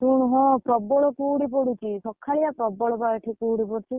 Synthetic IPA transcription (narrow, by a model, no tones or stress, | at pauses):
t̪uɽ̃ɦɔ̃pɾɔbɔɭɔkuːɽip̬ɔɽut͡ʃʰisɔkʰːaɭijapɾɔbɔɭɔbaɾʈʰikuːɽipɔɽt͡ʃʰi